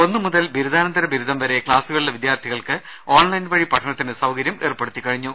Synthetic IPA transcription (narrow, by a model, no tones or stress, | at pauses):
o̞nːɨmuðɐlbiɾud̪aːnɐnd̪ɐɾɐbʱiɾud̪ʱɐmʋɐɾe̞kɭaːsuɣɐɭiɭːɐʋid̪jaːrt̪ʰiɣɐɭkɨ | oːɳlɐjnʋɐɻipɐʈʰːɐɳɐt̪ːinɨsɐwkɐɾjɐmʔeːrpːeɽut̪ːikːɐɻiɲːu